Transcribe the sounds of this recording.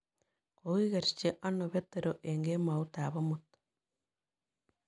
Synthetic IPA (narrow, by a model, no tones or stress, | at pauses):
koɣiɣeɾi̥t͡ʃeʔanoβet̪ːeɾoʔeŋɡemaut̪aːβomut̪